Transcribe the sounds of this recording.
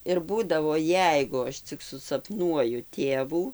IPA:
ɪr ˈbuːdɐʋoː ˈjɛɪɡʊ ˈɐʃ t͡sʲɪk sʊsɐpˈnuɔjʊ ˈtʲeːʋuː

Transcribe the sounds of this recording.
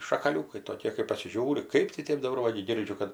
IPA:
ʃɐkɐˈlʲuːkɐɪ toːˈkʲeː kɐɪ pɐsʲɪˈʒʲuːrʲɪ ˈkɐɪp tɐɪ ˈtʲeːp dɐˈbɐr ˈʋɐ ɡʲɪ ˈɡʲɪrʲd͡ʒʲʊ kɐt

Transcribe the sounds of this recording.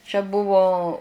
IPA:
t͡ʃʲɛ ˈbʊʋoː

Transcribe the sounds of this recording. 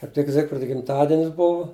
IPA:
kɐɪp ˈtʲɪk ˈzʲɪkfʲrʲɪdɐ ɡʲɪmˈtɑːdʲɪnʲɪs ˈbʊʋʊ

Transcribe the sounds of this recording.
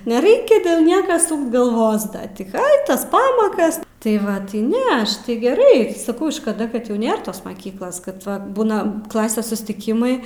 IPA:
nʲɛˈrʲɛɪkʲɛ dʲeːlˠ ˈnʲiɛkɐ ˈsuːkt ɡɐlˠˈʋoːs ˈdɐ tʲɪ ɐɪ ˈtɐs ˈpɑːmɐkɐs tɐɪ ˈʋɐ tɐɪ ˈnʲɛ ˈɐʃ tɐɪ ɡʲɛˈrɐɪ sɐˈkɐʊ ʃkɐˈdɐ kɐt jɛʊ ˈnʲeːr toːs mɐˈkʲiːklˠoːs kɐt ˈʋɐ ˈbuːnɐ ˈklˠɑːsʲeːs sʊsʲtʲɪˈkʲɪmɐɪ

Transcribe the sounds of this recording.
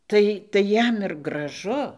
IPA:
ˈtɐɪ tɐɪ ˈjɛm ɪr ɡrɐˈʒʊ

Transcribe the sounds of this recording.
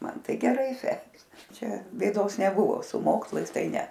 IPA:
ˈmɐn ˈtɐɪ ɡʲɛˈrɐɪ ˈsʲæːkʲeːs ˈt͡ʃʲɛ bʲeːˈdoːs nʲɛˈbʊʋoː sʊ ˈmoːkslˠɐɪs ˈtɐɪ ˈnʲɛ

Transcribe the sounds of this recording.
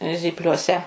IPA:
zʲiːpʲlʲuɔˈsʲɛ

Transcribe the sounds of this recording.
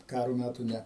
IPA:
ˈkɑːroː ˈmʲætuː ˈnʲɛ

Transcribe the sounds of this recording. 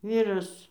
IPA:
ˈʋʲiːrɐs

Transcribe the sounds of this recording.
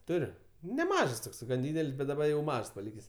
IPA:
ˈtʊrʲʊ nʲɛˈmɐʃs ˈtoːks ɡɐn ˈdʲiːdʲɛlʲsʲ bʲɛt dɐˈbɐ jɛʊ ˈmɐʃs pɐˈlʲiːkʲeːsʲ

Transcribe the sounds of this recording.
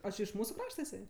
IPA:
oː ˈt͡ʃʲɪ ɪʃ ˈmuːsʊ ˈkrɑːʃtɐ ɪˈsɐɪ

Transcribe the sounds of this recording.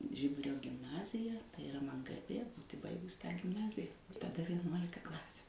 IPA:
ˈʒʲɪbʊrʲoː ɡʲɪmˈnɑːzʲɪjɛ tɐɪ ɪˈrɐ mɐn ɡɐrʲˈbʲeː ˈbuːtʲɪ ˈbɐɪɡʊs tɑː ɡʲɪmˈnɑːzʲɪjɛ tɐˈdɐ ʋʲiɛˈnuɔlʲɪkɐ ˈklˠɑːsʲuː

